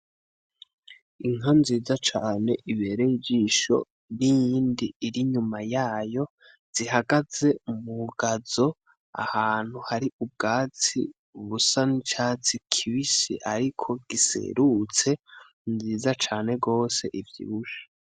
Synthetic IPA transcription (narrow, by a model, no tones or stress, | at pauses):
iŋanziːzat͡ʃaːne̞ʔiβe̞ɾejid͡ʒiʃo̞̰ | nijiːndiːɾiɲumajaːjo̞ | z̥iɦaɡaze̞muɡazo̞ | a̰haːn̥huhaɾiʔub̚ɡaːt͡sḭ | uβusanit͡ʃaːt͡sikʰiβisḭʔaɾikʰo̞ɡ̥isḛɾut͡se̞ | nziːzat͡ʃaːne̞ɡo̞ːse̞̰ʔivjḭβuʃḁ